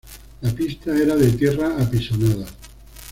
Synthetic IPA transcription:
lapist̪aeɾaðet̪jeraːpisonað̞a

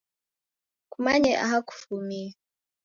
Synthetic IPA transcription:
kumaɲɛʔa̰ɦaku̥fuumia

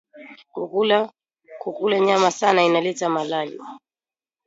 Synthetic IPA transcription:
kukula | kukulaɲamasanainalɛtamalalḭ

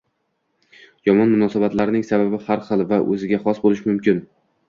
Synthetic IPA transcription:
jɒmɒnmʊnɒsabat̪laɾɪnɪŋsababɪhaɾχɨlˠvaʔɵzɪɡʲaχɒsbolɪʃmʊmkʲɪn

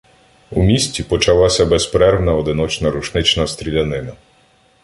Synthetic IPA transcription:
umʲisʲtʲipɔt͡ʃɐlˠɑsʲɐbɛspɾɛɾʋnɐɔd̪ɪnɔt͡ʃnɐɾuʃnɪt͡ʃnɐst̪ɾʲilʲɐnɪnɐ

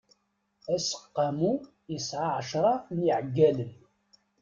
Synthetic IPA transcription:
æsə̥qːɑmu | jəsʕaʕəʃɾˤɑniʕəɡːælən

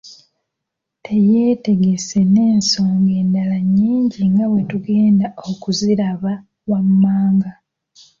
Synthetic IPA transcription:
tʰe̞je̞ːte̞ɡe̞se̞ne̞ːnso̞ːŋɡe̞ːndalaɲːiːɲɟiŋɡawe̞tuɡe̞ːndao̞kuziɾaβa | wamːaːŋɡa

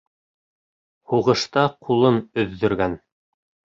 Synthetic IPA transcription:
huʁɤ̆ʃt̪ɑqʰulˠɤnɵ̆ðːɵ̆ɾɡæn

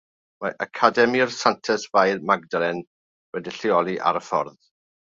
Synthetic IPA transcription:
maʔakʰadɛmiɔrsantʰɛsvajrmaɡdɾɛn | wɛdiɬɪɔlˠiʔa̰ɾəfɔ̰rð

